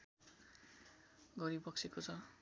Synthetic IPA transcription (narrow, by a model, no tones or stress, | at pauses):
ɡʌɾibʌksʰekot͡sʰʌ